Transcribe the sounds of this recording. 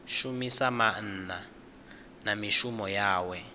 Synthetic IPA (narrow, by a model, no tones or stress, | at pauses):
ʃumisaman̩ːna | namiʃumɔjaːwɛ